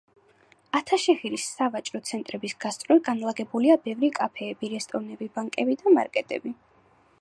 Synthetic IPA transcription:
at̪ʰaʃɛχiɾisːavat͡ʃʼɾɔt̪sʰɛnt̪ʼɾɛbisɡ̥ast̪sʼɾwiɡanlˠaɡɛbuliabɛvɾikʼapʰɛːbiɾɛst̪ʼɔɾnɛbibaŋkʼɛbid̪amaɾkʼɛt̪ʼɛ̰bi

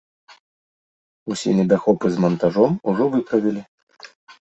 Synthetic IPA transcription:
usʲɛ̰nʲɛd̪axɔpɨzmɐnt̪aʐɔmuʐɔvɨpɾɐvʲilʲi

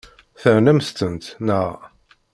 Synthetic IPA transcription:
θəɾnæmst̪ənt̪nəʁ

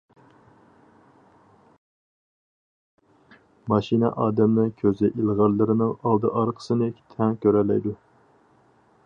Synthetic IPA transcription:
mɑʃinɛ̰ʔɑːd̪ɛmnɨkʲʰøzɛʔilˠʁɑɾlˠːɨɾɨnɨŋɑlˠd̪ɨʔɑɾqʰə̥sɨnɨkʲʰt̪ʰɛŋkʲʰøɾɛlːɛ̰jd̪u

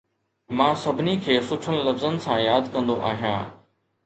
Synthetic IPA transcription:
mãːsɐbʱɪnikʰeːsʊt͡ʃʰənlɐfzənɪ̆sãːjaːd̪kɐ̃nd̪oʔa̰ːɦijã̰ː

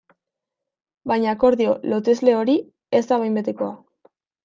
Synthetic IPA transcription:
bajɲako̞ɾðio̞lo̞t̪e̞zle̞o̞ɾi | e̞zd̪aβajmbe̞t̪e̞ko̞a

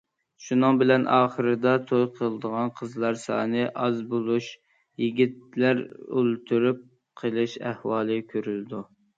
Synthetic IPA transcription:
ʃunɨŋbɪlɛnʔɑːχəɾɨd̪ɑt̪ʰojqʰəlˠɨd̪əʁɑnqʰəzlˠɑɾsɑ̰ːnɨʔɑzbolˠuʃ | jiɡʲit̪̚læɾø̰lt̪ʰyɾyp̚ | qʰəlˠɨʃæhwɑːlˠɨkʲʰøɾyld̪u

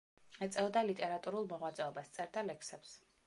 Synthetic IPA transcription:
ɛt̪sʼɛɔd̪alit̪ʼɛɾat̪ʼuɾulˠmɔʁwat̪sʼɛɔbast̪sʼɛɾd̪alɛkʰsɛps

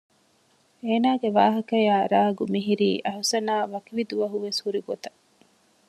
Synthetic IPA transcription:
eːnaːɡeʋaːɦɐkɐjaːɾaːɡumiɦiɾiːʔɐɦusɐnaːʋɐkiʋid̪uʋɐɦuʋeshuɾiɡot̪ɐ

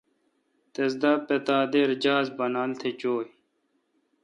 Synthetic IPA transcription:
t̪esd̪apet̪aːd̪eɾd͡ʑaːzbɐnaːlt̪ʰet͡ɕoːj

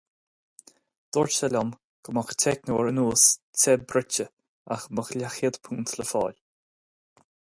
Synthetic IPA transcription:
d̪̥ɔɹt͡ʃɛlʲɔm | ɡ̥əmɔxtʰɛknoːɹənuːst͡sʰɛbɾɪt͡ʃə | a̰xməxlʲaxɪd̪pʰuːnt̪ʰləfɔːlʲ

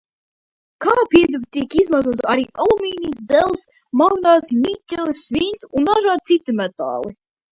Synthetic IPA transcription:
kaːpiɛd̪uvʲt̪ʲiɛkizmazuɔt̪saɾiːʔalˠumʲiːniːsd̪zɛlˠs | mawnaːsmʲitʲːɛlˠsːvʲinsund̪aʒaːt̪sit̪imɛt̪a̰ːlˠi

